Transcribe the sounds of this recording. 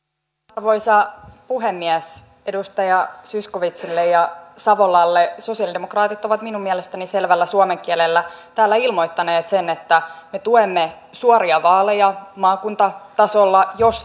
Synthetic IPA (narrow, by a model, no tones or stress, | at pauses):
ɑrʋo̞ijsɑpuɦemːiæs | e̞dust̪ɑjɑsysko̞ʋit̪silːejɑsɑʋo̞lɑlːeso̞siɑlidemokrɑːt̪it̪o̞ʋɑt̪minumːiælest̪ænise̞lʋælːæsuɑme̞ŋk̟iælelːæt̪æːlːæilmo̞jt̪ːɑneːt̪se̞net̪ːæme̞t̪uemːe | suoɾiɑʋɑːlːejɑmɑːkunt̪ɑt̪ɑso̞lːɑjo̞s